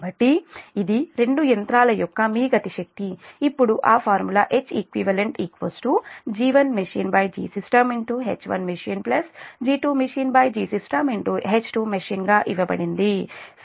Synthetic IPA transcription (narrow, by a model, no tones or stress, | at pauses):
bɐʈːiid̪iɾe̞ɳɖujɐnt̪ɾaːlɐjɔkːɐmiːɡɐt̪iʃɐk̚t̪iːpːuɽuʔaːpʰaːɾmulaːʔet͡ʃːekʋiʋɐleɳʈikʋosʈud͡ʒiːʋɐnmeʃiːnbɐːjd͡ʒḭːsisʈɐmiɳʈuɦḛːt͡ʃːʋɐ̰nmeʂiːnplɐsd͡ʒiːʈuːmeʃiːnbɐːjd͡ʒiːsisʈɐmiɳʈuɦet͡ʃːʈuːmeʃiːnɡaːʔiʋɐbɐ̰ɽind̪i